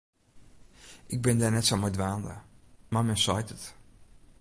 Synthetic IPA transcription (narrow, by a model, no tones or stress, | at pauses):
ʔɪɡ̚bɛndaːɹnɛtsomɔjdʋaːndə̰maːmɛnsɑjtət